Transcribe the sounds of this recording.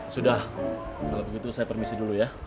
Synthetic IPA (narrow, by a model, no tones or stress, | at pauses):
sudahkalobəɡit̪usajapərmisɪduluja